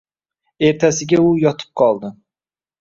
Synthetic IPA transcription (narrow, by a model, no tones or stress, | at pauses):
e̞ɾt̪ʰasɪɡʲaʊjɒt̪ʰɨ̥p̚qʰɒlˠd̪ɪ